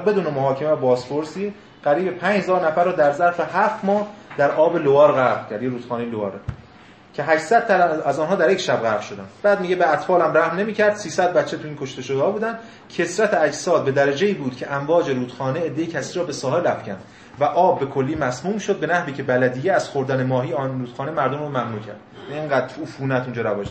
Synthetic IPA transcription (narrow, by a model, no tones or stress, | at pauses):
be̞d̪uːnemoɦɒːcʰemebɒːspoɾsiː | ɢ̥æɾiːbepʰæɲd͡ʒhezɒːɾnæfæɾːɒːd̪æɾzæɾfehæft̪mɒːhd̪æɾʔɒːbe̞lovɒːɾɣævcʰæɾd̪jeɾuːd̪xɒːnejlovɒːɾe | cʰe̞ɦæʃsæd̪̥̚t̪ææzɒːnɦɒːd̪æɾjecʃæbɣæɾʃo̞d̪ænd̪̥b̥æːd̪miːɟebeæt̪fɒːlæmræhmne̞miːcʰæɾd̪̥siːsæd̪̚bæt̪t͡ʃʰːet̪ʰuiːnkʰo̞ʃt̪e̞ʃod̪hɒːbuːd̪ænd̪ | cʰe̞sɾæt̪ʰeæcsɒːd̪̚be̞d̪æɾæd͡ʒe̞iːbuːd̪̥cʰe̞ʔæmvɒːd͡ʒe̞ɾuːd̪̥xɒːneed̪ːejecʰæsiːɾɒːbe̞sɒːhe̞læfcʰænd̪ | væʔɒːbːe̞kʰo̞lːiːmæsmuːmʃod̪̚be̞næhviːcʰe̞bælæd̪iːjeæz̥xoɾd̪ænemɒːɦiːɾuːd̪xɒːnemæɾd̪omrɔmæmnuːcʰæ̰ɾd̪̥æiŋɡæːd̪ɾuːfuːnæt̪und͡ʒɒːɾævɒːʃ